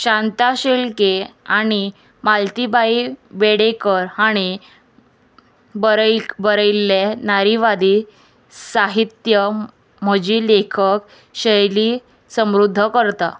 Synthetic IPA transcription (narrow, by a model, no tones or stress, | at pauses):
ɕãnt̪aɕelkeaɽ̃i | malt̪ibaibeɽekəɾaɽ̃i | bəɾbəɾəjlːenaɾiʋad̪i | saɦit̪jə | m̤əd͡ʑilekʰək | ɕəjli | səmɾud̪ʱːəkəɾt̪a̰